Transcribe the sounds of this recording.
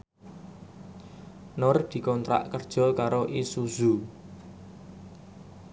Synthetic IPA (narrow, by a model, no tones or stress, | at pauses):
nʊrd̪̥i̤kɔnt̪ɾa̰ʔkərd̥ʒ̥ɔ̤kaɾoʔisuz̥u